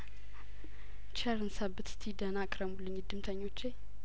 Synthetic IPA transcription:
t͡ʃʰaɾɨnsabɨt̪st̪ʰid̪ənakʼɾəmulːɨɲːd̪ɨmt̪ʰəɲːo̞t͡ʃːej

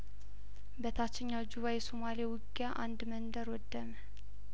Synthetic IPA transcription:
bət̪ʰat͡ʃːɪɲːawd͡ʒuβajɛsomaliewʊɡijaʔand̪mənd̪əɾwɔd̪ːəmə

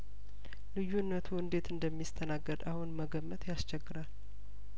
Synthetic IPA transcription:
lɨjunːət̪ʰuɨnd̪e̞t̪ɨnd̪əmːist̪ʰənaɡːəd̪ahunməɡəmːət̪ʰjast͡ʃɛɡːɨɾal

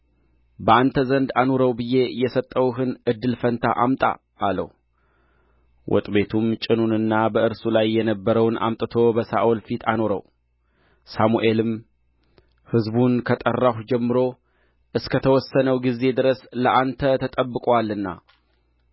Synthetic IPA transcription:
bəʔant̪ʰəzənd̪anoɾəwbɨje̞jɛsət̪ʼːəwɦɨnʔɨd̪ːɨlfənt̪ʰa̰ʔamt̪ʼa̰ | alə̰h | wʔɔ̰t̪ʼbe̞t̪ʰumt͡ʃʼɪnunɨnːabəʔɨɾsulajːɛnəbːəɾəwnʔa̰mt̪ʼɨt̪ʰo̞bəsa̰ʔolfit̪ʰanoɾə̰w | samuʔe̞lɨm | hɨzbunkʰət̪ʼərːahd͡ʒɛmːɨɾo̞ | ʔɨskʰət̪ʰəwɔsːənəwɡizːe̞d̪ɨɾəsləʔant̪ʰət̪ʰət̪ʼəbːɨkʼwalːɨnːa̰

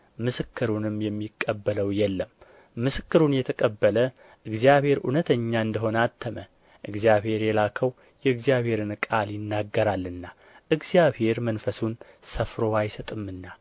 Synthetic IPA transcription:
mɨsɨkːɨɾunɨmjɛmːikʼːəbːələwjɛlːəmː | ɨsɨkːɨɾunjɛt̪ʰəkʼəbːələ | ʔɨɡzijaβhe̞ɾʔṵnət̪ʰəɲːaɨnd̪əɦo̞nat̪ʰːəmə | ʔɨɡzjaβhe̞ɾjɛlakʰəw | jɛɨɡzijaβhe̞ɾɨnkʼaljɪnːaɡːəɾalːɨnːa | ʔɨɡzijaβhe̞ɾmənfəsun | səfɾo̞ajsət̪ʼɨmːɨnːa

